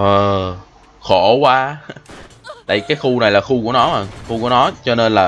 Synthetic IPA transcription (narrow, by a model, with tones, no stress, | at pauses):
ʔəː˨˩ | xo˧˩kwaː˧ | t̪a̰ː˧˨jkaː˨˦jxu˧na˨˩jlaː˨˩xu˧ku˧˩ənɔ˨˦maː˨˩ŋxu˧ku˧˩ənɔ˨˦t͡ɕɔ˧ne˧nlaː˨˩